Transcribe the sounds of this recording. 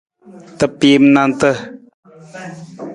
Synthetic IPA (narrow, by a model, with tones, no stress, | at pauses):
t̪ə˨pe˨˦mna˧nt̪ə˦